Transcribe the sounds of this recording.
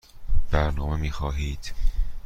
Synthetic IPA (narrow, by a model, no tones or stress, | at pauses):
b̥æɾnɒːme̞miːxɒːɦiːd̪̥